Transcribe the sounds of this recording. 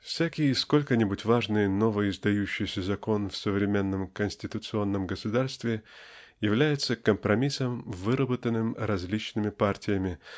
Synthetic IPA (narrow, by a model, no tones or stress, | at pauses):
fsʲækʲɪjəɪsko̞lʲkənʲɪbʊtʲvaʐnɨjəno̞vəɪzd̪ɐjʉɕːɪjsʲəzɐko̞nfsəvɾʲɪmʲe̞nːəmkənʲsʲtʲɪt̪ʊt̪sɨo̞nːəmɡəsʊd̪arst̪vʲɪ | jɪvlʲæjɪt̪səkəmpɾɐmʲisəmvɨɾəbət̪ənːɨmɾɐzʲlʲit͡ɕnɨmʲɪpartʲɪjəmʲɪ